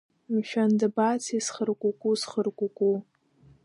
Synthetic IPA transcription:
mʃᶣandɨbat͡sʰisχərkʷʼukʷʼusχərkʷʼukʷʼu

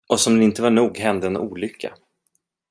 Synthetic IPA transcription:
ʔɔsɔmd̪ɛnɪnt̪əvaɳuːɡɦɛnd̪əɛnʔuːlʏkʰːa̰

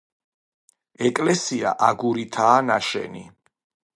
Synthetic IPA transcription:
ɛkʼlɛsia̰ʔaɡuɾit̪ʰaːnaʃɛ̰nḭ

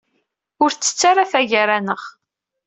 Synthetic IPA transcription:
ʊɾt͡sːə̥t͡sːaɾaθæʝaɾanəʁ

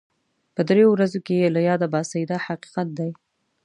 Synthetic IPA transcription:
pəd̪ɾejowɾazokelajɑd̪abɑsaid̪ahaqi̥qat̪̚d̪aj

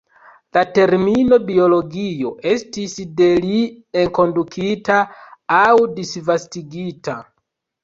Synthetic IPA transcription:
late̞ɾmino̞bio̞lo̞ɡio̞ʔe̞stisde̞lieŋko̞ndukʰitaawdisvastiɡita

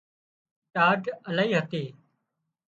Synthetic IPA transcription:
ʈaːɖəlaːiːɦət̪eː

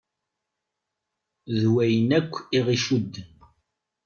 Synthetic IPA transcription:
ðwæjənækʷːiʁiʃud̪ː

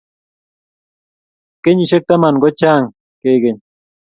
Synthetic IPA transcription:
keɲiʃek̚t̪amanɡot͡ʃaːŋ | kejɡeɲ

